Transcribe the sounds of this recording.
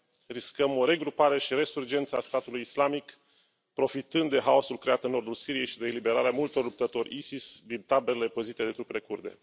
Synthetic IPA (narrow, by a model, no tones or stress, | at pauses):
riskəmo̞ɾe̞ɡɾupaɾe̞ʃiɾe̞surd͡ʒe̞nt̪səast̪at̪ulujislamik | pɾo̞fit̪ɨnd̪d̪e̞ɦao̞sulkɾe̞at̪ɨnːo̞rd̪ulsiɾije̞jʃid̪e̞ːlibe̞ɾaɾeamult̪o̞rlup̚t̪ət̪o̞ɾʲisisd̪int̪abelele̞pəzit̪e̞d̪e̞t̪ɾupele̞kurd̪e̞̰